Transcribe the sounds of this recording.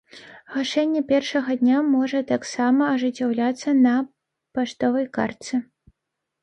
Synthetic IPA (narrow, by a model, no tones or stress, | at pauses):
ɣaʂɛnʲːɛpʲɛrʂɐɣɐd̪ʲnʲamɔʐɐt̪aksamɐːʐɨt͡sʲːawlʲat̪sːɐnɐ | paʂt̪ɔvɐjka̰rt̪sɨ